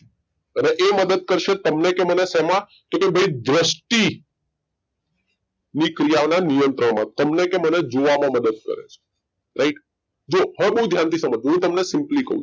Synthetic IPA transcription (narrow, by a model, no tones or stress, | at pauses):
əneʔeməd̪əd̪̚kəɾʃet̪əmnekemənesɛmã | t̪okebʱəid̪ɾəsʈi | nikɾijaonanijənt̪ɾəɽmã̰t̪əmnekeməned͡ʒoʋamãməd̪əd̪̚kə̰ɾḛt͡ʃʰe̥ | ɾʔaɪʈ | d͡ʒoɦə̃ebəɦud̪ʱjant̪isəməd͡ʒɦũt̪əmnesɪ̃mplikə̰ɦṵ̃